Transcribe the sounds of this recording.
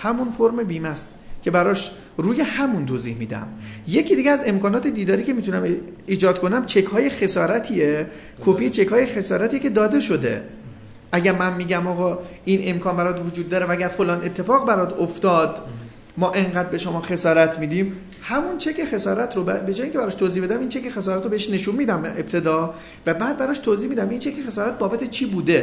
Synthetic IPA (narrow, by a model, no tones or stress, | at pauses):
hæmunfoɾmebiːmæst̪ | cʰe̞bæɾɒʃ | ɾuːje̞hæmunt̪ʰoːziːhmiːd̪æ̰mje̞cʰiːd̪iɡeæze̞mkɒːnɒːt̪ʰe̞d̪iːd̪ɒːɾiːcʰe̞miːt̪ʰunæmiːd͡ʒɒːd̪̥kʰonæmt͡ʃʰekhɒːjexe̞sɒːɾæt̪ʰiːje | kʰopijet͡ʃʰe̞khɒːjexe̞sɒːɾæt̪ʰijecʰe̞d̪ɒːd̪e̞ʃo̞d̪e̞̰ | ʔæɟæɾmænmiːɟæmɒːɣɒːinʔe̞mkʰɒːnbæɾɒːt̪vod͡ʒuːd̪ːɒːɾevææɡæɾfolɒːne̞t̪ʰːe̞fɒːɣbæɾɒːd̪oft̪ɒːd̪ | mɒːʔe̞ŋɢæːd̪̚be̞ʃo̞mɒːxe̞sɒːɾæt̪ʰmiːd̪iːm | hæmunt͡ʃʰe̞kʰexe̞sɒːɾæt̪ʰɾobæbe̞d͡ʒɒːjeiŋcʰʲebæɾɒːʃt̪ʰoːzihbe̞d̪æmiːnt͡ʃʰe̞kexesɒːɾæt̪ɾoeeʃne̞ʃunmiːd̪æmeb̚t̪ʰe̞d̪ɒː | væbæːd̪̚bæɾɒʃt̪ʰoːziːhmiːd̪æmint͡ʃʰekʰexesɒːɾæt̪̚bɒːbæt̪ʰet͡ʃʰiːbuːd̪e̞